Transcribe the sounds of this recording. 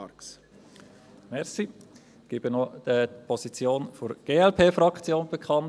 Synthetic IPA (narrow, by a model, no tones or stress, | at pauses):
ks | mɛɾsi | ɡ̥ɪb̥ənɔd̥əpʰɔsit͡sjoːnfoɾɡ̥eːɛlpʰeːfrɑkt͡sjoːnb̥ekʰɑn